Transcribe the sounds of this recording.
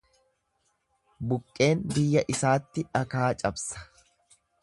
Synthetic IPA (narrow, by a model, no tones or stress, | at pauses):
bʊkʼːe̞ːnbɪjːɐʔɪsaːt̪ːɪɐkaːt͡ʃʼɐbsɐ̥